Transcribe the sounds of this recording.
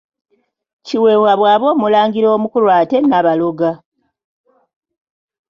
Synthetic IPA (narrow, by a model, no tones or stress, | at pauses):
ciwe̞ːwaβwaːβo̞ːmulaːŋɡiɾo̞ːmukulwaːte̞naβalo̞ɡa